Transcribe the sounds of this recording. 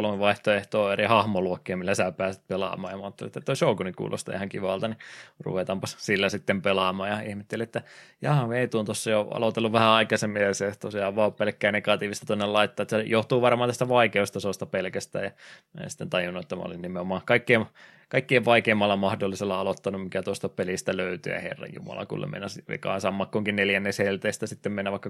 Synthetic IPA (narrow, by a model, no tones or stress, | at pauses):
olmeʋɑiht̪oeht̪oːerihɑhmoluokːeːmilːæsæːpæːset̪̚pelɑ̰ːmɑ̰ːjɑmɑːt̪ːelḭet̪ːæt̪oisoukunikṵːlʔo̰st̪ɑ̰hæŋkiʋɑˑlt̪ɑnirṵʋet̪ɑmpɑssilːæsit̪ːempelɑmɑːjɑihmet̪ːeliet̪ːæjɑːmeit̪uːnt̪osːɑjoɑ̰lot̪elːuʋʋæhæɑikɑsemːieseht̪osejɑʋʋɑppelkːæːneɡɑt̪iːʋist̪ɑt̪onːelɑit̪ːɑːt̪ːæsejoht̪uːʋɑrmɑːnt̪æst̪æʋɑikeust̪ɑsost̪ɑpelkæst̪æ̰ːjɑ̰nsi̥t̪ːent̪ɑjunːuet̪ːæmæ̰o̰linnimeomɑːkɑikːieʋ | kɑikːieʋʋɑikeːmːɑlːɑmɑhdolːiselːɑɑlot̪ːɑnummikæt̪uost̪ɑpelist̪æløyt̪y̰æ̰hḛrːɑ̰jjṵmɑ̰lɑ̰kṵlːḛmḛnæsʋḛkɑ̰insɑmːɑkːoŋkinneljænːeshelt̪eːst̪æsit̪ːemmenːæʋɑˑikːɑ